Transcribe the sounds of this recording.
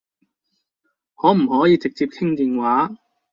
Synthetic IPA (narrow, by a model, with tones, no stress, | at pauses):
hɔː˨˥m̩˨˩hɔː˨˥jiː˨˧t͡sɪ˨k̚t͡siː˧p̚kʰɪ˥ŋt̪iː˨nwaː˨˥